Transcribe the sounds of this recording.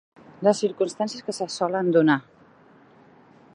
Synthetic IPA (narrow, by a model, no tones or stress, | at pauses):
ləsiɾkumst̪ansjəskəsəsɔlənd̪una